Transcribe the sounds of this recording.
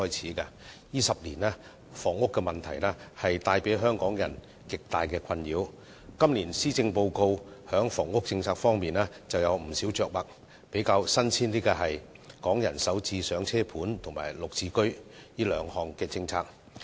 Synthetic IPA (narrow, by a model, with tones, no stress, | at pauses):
ɔː˥jt͡sʰiː˨˥kɐ˧jiː˥sɐ˨p̚liː˨˩nɛː˥ | fɔː˨˩ŋʊ˥kːɛː˧mɐ˨˩nt̪ʰɐ˨˩jlɛː˥hɐ˨jt̪aː˧jpe˨˥jɦœː˥ŋkɔː˨˥ŋjɐ̰˨˩n | kɪ˨k̚t̪aː˨jkɛː˧kʰɐ˧njiː˨˥w | kɐ˥mliː˨˩nsiː˥t͡sɪ˧ŋpo˧wko˧whœː˨˥ŋfɔː˨˩ŋʊ˥k̚t͡sɪ˧ŋt͡sʰaː˧k̚fɔː˥ŋmiː˨nɛː˥t͡sɐ˨wjɐ˨˧wm̩˨˩siː˨˥wt͡ʃœː˨˧k̚mɐ˨k̚ | pe˨˥jkaː˧wsɐ˥nt͡sʰiː˥nt̪iː˥ka˧ɦɐ˨jkɔː˨˥ŋjɐ˨˩nsɐ˨˥wt͡siː˧sœː˨˥ŋt͡sʰɛː˥pʰuː˨˥nt̪ʰʊ˨˩ŋma̰ː˨˩jlʊ˨k̚t͡sʰiː˧kɵ˥ɥjiː˥lœː˨˧ŋhɔː˨ŋkɛː˧t͡sɪ˧ŋt͡sʰaː˧k̚